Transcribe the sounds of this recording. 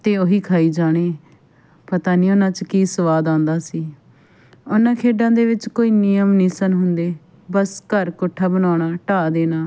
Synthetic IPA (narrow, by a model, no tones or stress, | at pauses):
t̪eːoːɦiːkʰaːiːd͡ʒaːɽ̃eː | pət̪aːnĩːonãːt͡ʃkiːsəʋaːd̪ãːnd̪aːsiː | ʊnãːkʰeːɖãːd̪eːʋɪt͡ʃkoːiːniːjəmnĩːsənɦʊnd̪eː | bəskəɾkʊʈʰːaːbənaːɳaːʈaːd̪eːnaː